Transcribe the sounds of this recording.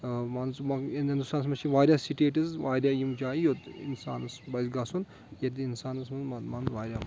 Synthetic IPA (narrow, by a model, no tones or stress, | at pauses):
manzmɐɐnɐnd̪saːns̬mɐʃʰiʋaːɾʲaːsiʈeːʈizʋaːɾʲjaːjimd͡ʒaːijot̪ḭnsa̰ːnɐsbɐjzɡɐsun | jɐt̪̬iinsaːnɐsmɐmanzʋaːɾʲa